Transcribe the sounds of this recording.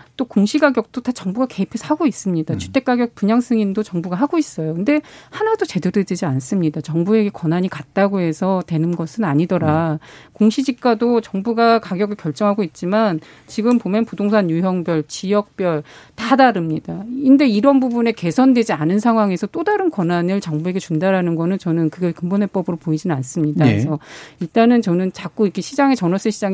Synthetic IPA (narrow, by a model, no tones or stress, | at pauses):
t͈okoŋɕʰiɡaɡjʌk̚t͈otat͡ɕʌŋbuɡake̞ipʰeaɡois͈ɯmɲidat͡ɕʰu̥t͈e̞k͈aɡjʌk̚puɲaŋs͈ɯŋindot͡ɕʌŋbuɡaɦaɡois͈ʌjokɯnde̞hanadot͡ɕe̞dɯdɯded͡ʑians͈ɯmɲidat͡ɕʌŋbue̞ɡe̞kʌnaɲikat̚t͈aɡoɦe̞sʰʌtwe̞nɯnɡʌsʰɯnaɲidʌɾakoŋɕʰid͡ʑik̚k͈adot͡ɕʌŋbuɡakaɡjʌɡɯɭkjʌɭt͡ɕ͈ʌŋɦaɡoit̚t͡ɕ͈iman | t͡ɕiɡɯmpomjʌnpudoŋsʰaɲjuɦjʌŋbjʌɭt͡ɕijʌk̚p͈jʌɭtadaɾɯmɲidainde̞iɾʌnbubune̞ke̞sʰʌndwe̞d͡ʑianɯnsʰaŋɦwaŋe̞sʰʌt͈odaɾɯnkwʌnanɯɭt͡ɕʌŋbue̞ɡe̞t͡ɕundaɾɦanɯnɡʌnɯnt͡ɕʌnɯnkɯɡekɯmbonɦwe̞p͈ʌbɯɾopoid͡ʑinɯnans͈ɯmɲidais̬ʰʌiɭt͈anɯnt͡ɕʌnɯnt͡ɕak͈oiɡeɕʰid͡ʑaŋe̞t͡ɕʌnʌs͈ɯɕʰid͡ʑaŋ